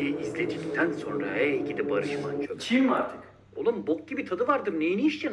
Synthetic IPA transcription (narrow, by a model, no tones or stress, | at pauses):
jiizlʲe̞d̪ict̪ʰænso̞nɾa̰hɛiɟid̪ɛbaɾɯʃmant͡ʃʰot͡ʃʰimaɾt̪ʰi̥k | o̞̰lˠumbok̚ɟibit̪ʰad̪ɯvaɾd̪ɯmnejenijiʃt͡ʃɛ